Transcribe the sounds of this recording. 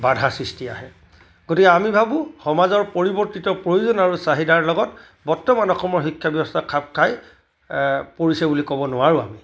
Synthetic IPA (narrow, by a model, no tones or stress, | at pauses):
badʱasɹistia̰ɦɛ | ɡ̥otikɛamibʱabʊ̃xɔmazɔɹpoɹibɔɹtitɔpɹojuzɔnaɹusaɦidaɹlɔɡɔt | bɔɹtɔmanɔxɔmɔɹxikʰːjabjɔbɔstakʰap̚kʰaj | poɹisɛbulikɔbɔnʊwaɹũa̰mi